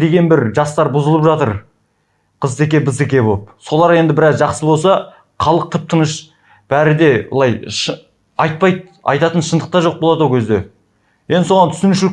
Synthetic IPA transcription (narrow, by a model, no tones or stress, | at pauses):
d̪e̞ɡʲe̞nbɪɾʒɑst̪ɑɾbʊzəlˠəpʒɑt̪əɾ | qʰəzt̪e̞kʲe̞bɪze̞kʲe̞bopso̞lˠɑɾe̞nd̪ɪbɪɾɑzʒɑqsəbo̞lˠsɑ | χʰɑlˠəq̚t̪ʰəp̚t̪ʰənəʃ | b̥æɾɪd̪e̞b̰lˠɑjʃ | ɑjt̪̚pɑjt̪ | ɑ̰jt̪ɑt̪ənʃənd̪əq̚t̪ɑʒo̞q̚bolˠɑd̪owkʲʰezd̪e̞ | je̞nd̪ɪso̞ʁɑnt̪ʰʏ̥sɪnɪʃɪlɪk̚ʲ